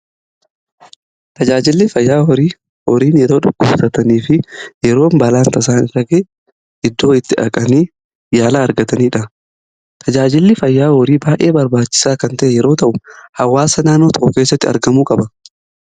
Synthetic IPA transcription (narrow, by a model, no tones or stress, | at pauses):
t̪ɐd͡ʒaːd͡ʒɪlːɪfɐjːaːhɔɾiː | hɔɾiːnjɛɾo̞ːᶑʊɡːʊbsɐt̪ɐniːfɪjɛɾo̞ːmbɐlaːnt̪ɐs̬aːnɪrːɐɡeː | ʔɪd̪ːo̞ːɪt̪ːɪᶑɐ̰kʼɐniː | jaːlaːɾɡɐt̪ɐniːᶑɐ | t̪ʰɐd͡ʒaːd͡ʒɪlːɪfɐjːaːhɔɾiːbaːʔe̞ːbɐɾbaːt͡ʃːɪ̥saːkɐnt̪ɐʔɛjɛɾo̞ːt̪ɐʔʊhɐwːaːsɐnaːnːoːt̪ɐʔʊke̞ːsːɐt̪ːɪɐ̰ɾɡɐmuːkʼɐbɐ